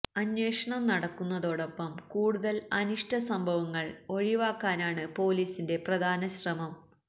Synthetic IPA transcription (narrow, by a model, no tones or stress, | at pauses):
ɐnweːʂɐɳɐmnɐɽɐkːunːɐðo̞ːɽo̞pːɐmkuːɽuðɐlɐniʂʈɐsɐmbʱɐʋɐŋːɐɭo̞ɻiʋaːkːaːnaːɳɨpo̞ːliːsinde̞prɐd̪ʱaːnɐɕrɐmɐm